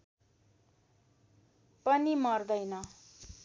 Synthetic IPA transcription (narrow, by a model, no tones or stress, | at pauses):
pʌnimʌrd̪ʌjnʌ